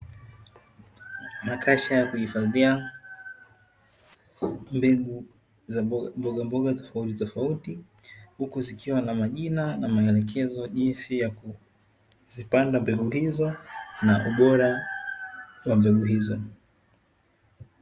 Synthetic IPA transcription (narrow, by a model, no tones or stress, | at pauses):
makʰaʃajakuhifaðia | mbɛɡu | zambɔɠambɔɠatɔ̥fautitɔfauti | hukuzikʰiwanamaʄinanamaɛlɛk̬ʰɛzɔʄinsijaku | zipandambɛɠuɦizɔnaʔuɓɔɾa | wambɛɡuɦizɔ